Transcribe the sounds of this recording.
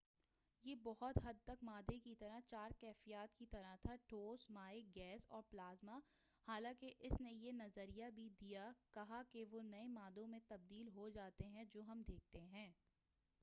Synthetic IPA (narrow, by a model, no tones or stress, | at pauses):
jeːbɔɦʊt̪ɦɐd̪̚t̪ɐkmaːd̪ekit̪ɐɾat͡ʃaːɾkɛːfijaːt̪kit̪ɐɾat̪ʰaʈoːsmaːeɡɛːsɔ̰ːɾplaːzma | haːlãːkeʔɪsnejenɐzəɾijabʱid̪ijakɐɦakeʋoːnɐemaːd̪õmẽt̪ɐb̚d̪iːlɦod͡ʒaːt̪eɦɛ̃d͡ʒoːɦɐmd̪ʱeːk̚ʰt̪eɦɛ̃ː